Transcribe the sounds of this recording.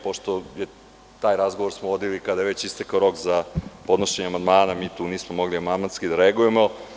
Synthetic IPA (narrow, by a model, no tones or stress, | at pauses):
po̞ʃt̪oje | t̪aːjɾazɡoʋoɾsmoʋo̞d̪ilikad̪ajeʋet͡ɕist̪ekaoɾo̞kzapo̞d̪noʃeɲeamand̪maːnamiːt̪uːniːsmomo̞ɡliamand̪manskid̪aɾeaɡuje̞mo̞